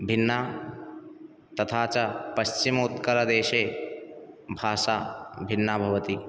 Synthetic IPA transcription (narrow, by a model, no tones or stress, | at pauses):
bʱɪnːaː | t̪ɐt̪ʰaːt͡ʃɐpɐst͡ʃimut̪kəɾəd̪eːʃeː | bʱaːʃaːbʱɪnːabʱɐʋət̪i